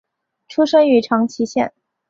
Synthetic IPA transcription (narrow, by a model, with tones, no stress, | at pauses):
ʈ͡ʂʰu˥ʂɤ˥ŋy˧˥ʈ͡ʂʰɑ˧˥ŋt͡ɕʰi˧˥ɕjɛ̰˥˩n